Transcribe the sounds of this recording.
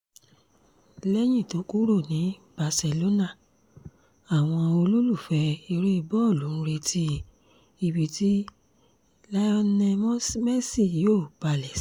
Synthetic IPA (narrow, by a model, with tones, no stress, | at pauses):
lɛ˦j̃ĩ˦˨to˨˦ku˦ɾo˦˨nĩ˨˦b̥a˧sɛ˧lo˦na˦˨ | a˨w̃ɔ̃˧o˧lu˦lu˦˨fɛ˧˦i˧ɾe˦˧bɔ˦˨lũ˨˦˧ɾe˧tʰi˦ | i˧˨bi˨ti˦ | la˧ɔ˧nɛ˧mɔ̃˦smɛ˦si˦˨joː˦˨b̥a˧˨lɛ˨˦s